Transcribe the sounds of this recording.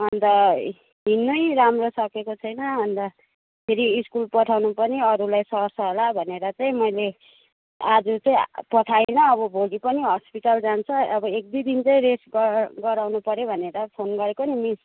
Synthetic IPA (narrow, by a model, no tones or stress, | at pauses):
ʌnd̪ʌ | ɦinːojɾamrosʌkekot͡sʰʌjnʌɦʌnd̪ʌ | pʰeɾiːskulpʌʈʰawnupʌniʌɾulajsʌrsʌɦolabʱʌneɾʌt͡sʌĩmʌjle | ad͡zut͡sʌĩpʌʈʰajnʌːbʌbʱolipʌniɦʌspiʈald͡zant͡sʰʌːbʌek̚d̪id̪int͡sʌĩɾesɡɡʌɾawnupʌɾjobʱʌneɾʌpʰonɡʌɾekonimis